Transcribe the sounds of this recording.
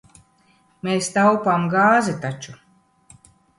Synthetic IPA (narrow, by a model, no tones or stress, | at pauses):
meːst̪awpamɡaːzɛt̪at͡ʃu